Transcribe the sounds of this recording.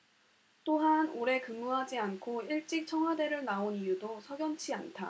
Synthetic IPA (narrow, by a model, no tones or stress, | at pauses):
t͈oɦanoɾe̞kɯŋːuɦad͡ʑiankʰoiɭt͡ɕ͈ik̚t͡ɕʰʌŋwade̞ɾɯɭnaonijudosʰʌɡjʌnt͡ɕʰia̰ntʰa̰